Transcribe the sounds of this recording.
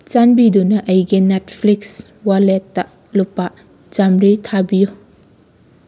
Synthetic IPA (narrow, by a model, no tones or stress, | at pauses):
t͡ʃanbidunɐʔɐjɡinetpʰliks | waletːɐ | lupːa | d͡ʒamɾitʰabiju